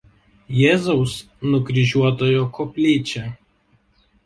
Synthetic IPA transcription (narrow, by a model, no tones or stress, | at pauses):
jeːzɔʊs | nʊkɾʲɪʒʲuɔt̪oːjoːkɔpʲlʲeːt͡ʃʲɛ